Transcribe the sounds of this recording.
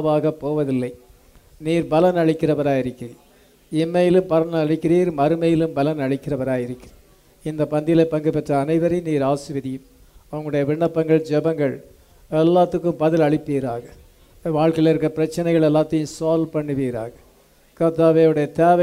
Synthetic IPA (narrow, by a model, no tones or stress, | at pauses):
ʋaːɣɐpːoːʋɐðɪlːɐɪ | niːɾbɐlɐnɐɻɪkːɪrɐʋɐɾaːjɪɾɯkːɪriː | ɪmːɐjɪlɯmpɐɾɐnɐɭɪkːɪɾiːɾmɐɾɯmɐjɪlɯmbɐlɐnɐɭɪkːɪrɐʋɐɾaːjɪɾɯkːɪrɐ | ɪnd̪ɐpɐnd̪ɪjlɐɪpːɐŋɡɯpɛʈrɐːnɐɪʋɐɾɐɪniːɾaːsɯʋɪðɪjɯm | ɐʋɐŋɡɐɭɽɐjɐʋɪɳːɐpːɐŋɡɐɭd͡ʒɛbɐŋɡɐɭ | ɛlːaːt̪ːɯkːɯmbɐðɪlɐɭɪpːiːɾa̰ːɣɐ | ʋaːɻkɐɪlɪɾɯkːɐpɪɾɐt͡ʃːɐnɐɪɣɐɭɛlːaːt̪ːɐjɯ̃msoːlpɐɳːɯʋiːɾa̰ːɣɐ | kɐɾt̪aːʋeːɯɽɐjɐt̪eːʋɐ